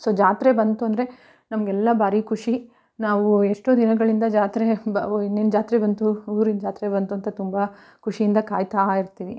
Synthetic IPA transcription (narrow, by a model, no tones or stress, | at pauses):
soːd͡ʒaːt̪ɾe̞bɐnt̪uɐnd̪ɐɾe̞ | nɐmɐɡɛlːɐbaːɾikʰuʂi | naːʋueʂʈoːd̪inɐɡɐɭind̪ɐd͡ʒaːt̪ɾenːind͡ʒaːt̪ɾebɐnt̪uuːɾind͡ʒaːt̪ɾebɐnt̪uɐnt̪ɐt̪umbɐ | kʰuʂijind̪ɐkaːjt̪aiɾt̪iːʋi